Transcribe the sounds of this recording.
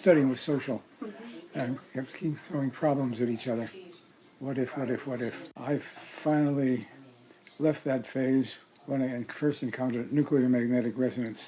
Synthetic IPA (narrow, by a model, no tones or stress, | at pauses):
stʌɾiɪ̃ŋwʌð̥soʊʃl̩ˠ | ɨ̃nkʰɛpskʰĩmθɹoʊɪ̃ŋpʰɹ̥ɑblə̃mzɨɾit͡ʃʌðə˞ | wʌɾɨfwʌɾɨfwʌɾɪfʔaɪfãɪ̃nl̩ˠi | lɛft̪̚ðɨtfeɪz | wə̃naɪɨ̃nfɜ˞stɨ̃nkʰãʊ̃ntə˞nʉkliə˞mæɡ̚nɛɾɨkɹɛzɨɾɨ̃ns